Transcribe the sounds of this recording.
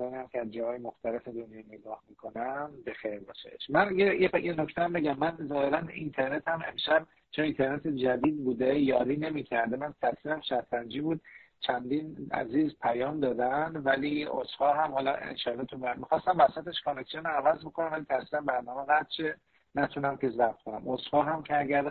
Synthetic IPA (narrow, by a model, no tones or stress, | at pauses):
sɒːniæmcʰeæzd͡ʒɒːhɒːjemoxt̪ʰæle̞fed̪onjɒːneɡɒːhmikʰo̞næmbe̞xejɾbɒːʃḛʃmænjejejenoct̪eæmbe̞ɟæmːænzɒːhe̞ɾænḭnt̪ʰe̞ɾne̞t̪hæmḛmʃæb | t͡ʃʰonint̪ʰe̞ɾnet̪ʰed͡ʒæd̪iːd̪̚buːd̪e̞jɒːɾiːne̞miːcʰæɾd̪emænt̪ʰæsiɾæmʃæɾʰænd͡ʒiːbuːd̪̥̚ | t͡ʃʰænd̪iːnæ̰ziːzpʰæjɒːmd̪ɒːd̪ænd̪vælioshɒːɦæmɦɒːlɒḛnʃɒːlːɒt̪ʰubmmixɒːst̪æmvæsæt̪e̞ʃkʰoneksionævæzbo̞kʰonæmvælit̪ʰæsilænbæɾnɒːmeɣæt̪t͡ʃe | næt̪ʰunæmkʰezæb̪konæmoshɒːɦæmcʲʰeæɟæɾ